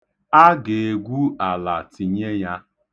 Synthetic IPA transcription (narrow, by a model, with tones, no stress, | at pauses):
a˦ɡe˨e˨ɡʷu˦a˨la˨ti˨ɲe˦ja˦